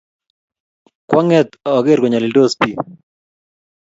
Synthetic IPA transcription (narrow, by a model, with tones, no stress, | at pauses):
kwa˦ŋɛ˦t̪a˨ɔ˨ɡe˦ɾɡɔ˨ɲa˨li˨do˦spi˦˨